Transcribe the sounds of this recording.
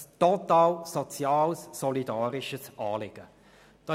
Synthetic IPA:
stɔt̪aːlsɔt͡sjɑːlsːɔlidɑːɾɪʃəsʔɑːlɪɡ̥ə | d̥ɑ

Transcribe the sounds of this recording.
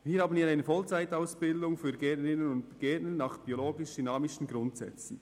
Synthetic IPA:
viːhaːbənviːɾaɪnəfɔlt͡saɪtaʊsb̥ɪldʊŋfyːɡɛɐtnəɾɪnənʊntɡ̥ɛɐtnənːɑːχb̥ioloːɡɪʃd̥ynɑːmɪʃn̩ɡɾʊntsɛ̰t͡sn̩

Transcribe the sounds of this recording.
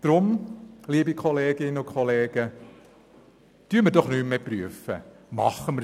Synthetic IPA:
d̥ɾʊmliːbikʰɔleːɡɪnːəʊkʰχɔleːɡ̥ə | tyːɾməɾdɔχnyːmmeːpryəfə | mɑχəmə

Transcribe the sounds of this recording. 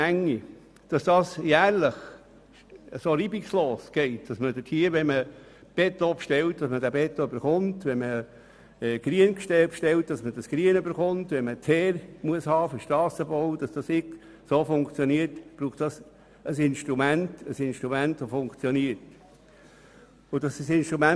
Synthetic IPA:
æŋːi | d̥ɑsd̥ɑːsjæːɾləχ | əsoːɾiːbiksloːsɡ̥ɛɪt̚d̥ɑsmədɪtʰhiːəʋɛnmə | b̥ɛtːopʃtɛltd̥ɑsmədæbɛt̪ːoyb̥əɾχʊntʋɛnmə | ɛɡ̥ɾiənkʃtɛpʃtɛltd̥ɑsmədɑsɡ̥ɾiənybəɾχʊntʋɛnmətʰhɛːɾmuəshɑːfəʃtɑːsəbɔwd̥ɑsd̥ɑsɪk | soːfʊŋkt͡sjɔniəɾtb̥ɾuːχtd̥ɑs | əsɪnʃt̪ɾumæntəsɪnʃtɾumæntʋofʊŋkt͡sjɔniəɾt | ʊd̥ɑsd̥ɑsɪnʃtɾumæ

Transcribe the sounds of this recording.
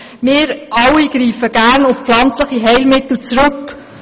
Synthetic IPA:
mɪːɾʔɑwiɡ̥ɾiːfəɡ̥æːɾnʊfpflɑnt͡sləχiɦɛɪlmɪt̪l̩t͡sɾɵk

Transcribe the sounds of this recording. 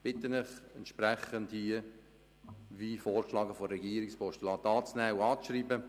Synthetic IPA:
b̥ɪtənɪχɛnt̪ʃpɾɛχənthiə | ʋiːfoːrʃlɑːɡəfɔːɛɡiːɾɪkspʰɔʃtəlɑːtɑːt͡snɛːuɑːt͡sʃriːbə

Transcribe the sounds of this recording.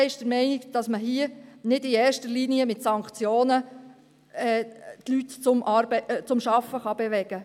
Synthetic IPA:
ɪʃd̥əɾmɛɪniɡd̥ɑsməɦiənɪdɪɛːrʃtəɾliniəmɪtsɑŋkt͡sjoːnə | ɛːtlytt͡sʊmʔɑɾbt͡sʊmʃɑfːəχɑbɛʋɛɡ̥ə

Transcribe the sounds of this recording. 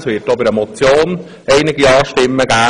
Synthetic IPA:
sʋɪːt̚dob̥ɪɾɛmɔt͡sjoːn | ɛɪnɪɡiɑːʃtɪmːəɡ̥æː

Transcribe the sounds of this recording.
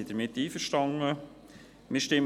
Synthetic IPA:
id̥əɾmɪtːiːfəʃtɑŋə | mɪɾʃtɪm

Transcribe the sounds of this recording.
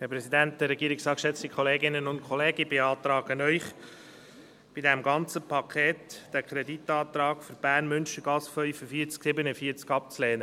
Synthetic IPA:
hæɾpɾɛsid̪ænt̚d̪ɛɾɛɡ̥iəɾɪksɑːkʃɛt͡st̪ikʰχɔleːɡɪnənʊntkʰχɔleːɡəbeɑːt̪ɾɑːɡ̥ənœʏχ | b̥idɛmɡɑnt͡səpʰɑkʰeːt̪d̥ækʰɾɛd̪it̪ːɑːt̪ɾɑːɡfʏɾb̥æːrnmʏnʃəɡ̥ɑsfœʏfəfiːɾt͡sksɪbənəfiːəɾt͡skɑp̚t͡sleːnə

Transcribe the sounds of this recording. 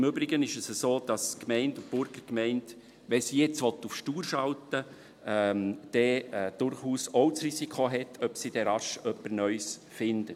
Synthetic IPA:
ɪmʏbɾɪɡənɪʃəsəsoːd̥ɑskmɛɪntʊb̥ʊɾɡəɾkmɛɪnd | ʋɛsijɛt͡sʋɔtufʃtuːɾʃɑltə | ɛmd̥ɛːd̥ʊɾχuːsoʊt͡srisikʰoɦɛtʰœpsid̥ɛɾɑʃœpːənœʏsfɪndət

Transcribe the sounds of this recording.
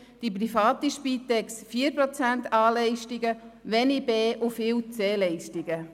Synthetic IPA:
d̥iprifɑːt̪iʃpiːt̪ɛksfiːəɾpɾɔt͡sænt̪ʰɑːlɛɪʃtiɡəʋɛnibeːʔufɪːwt͡seːlɛɪʃtiɡə

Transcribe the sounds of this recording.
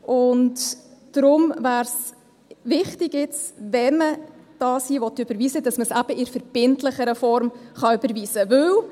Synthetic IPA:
ʔʊntd̥ɾʊmvæːɾs | ʋɪχtɪɡjɪt͡svɛnməd̥ɑːsiːʋɔtːʏb̥əɾviːsədɑsməsæb̥əɪɾfəɾb̥ɪntləχəɾəfɔɾmχɑʏbəɾviːsəvɵw

